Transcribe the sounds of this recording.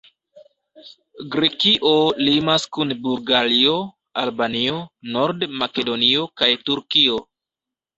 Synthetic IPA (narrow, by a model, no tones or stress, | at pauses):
ɡɾekiʔo̞limaskunbuɾɡalio̞ | albanio̞no̞ɾdmake̞do̞nio̞kajtuɾkio̞